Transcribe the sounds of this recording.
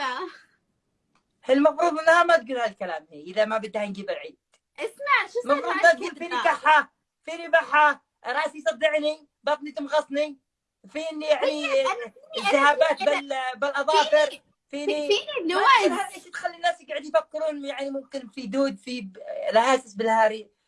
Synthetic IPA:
hɪlmɑfɾuːðˤɪnːhamat̪̚ɡuːlhalkalaːmhiːʔɪðamabad̪ːhɪnɡibɪɾʕiːd̪̥̚ | ʔɪsmaʕmɑfɾuːd̪at̪̚ɡuːlfiːnikaħːa | fiːnibaħa | ɾˤɑːʔsijsˤɑd̪ːɪʕni | bɑt̪ˤnit̪ʊmɣɑsˤni | fiːnːjaʕni | zahaːbaːt̪̚bɪlbɪlʔɑðˤɑːfɪɾ | fiːni | ɪnaʔeːʃt̪xalːinːaːsjɡaʕɪd̪jfakːɪɾuːnjaʕnimʊmkɪnfid̪uːd̪filɪhaːsɪsbɪlhaːɾi

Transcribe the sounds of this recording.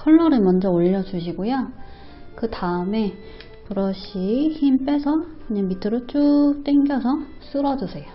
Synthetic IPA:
kʰʌɭːʌɾɯmʌnd͡ʑʌoʎːʌd͡ʑuɕʰiɡoja | kɯtaɯme̞ | puɾʌɕʰiçimp͈e̞sʰʌkɯɲaŋmitʰɯɾot͡ɕ͈ut͈eŋɡjʌsʰʌs͈ɯɾʌd͡ʑusʰe̞jo

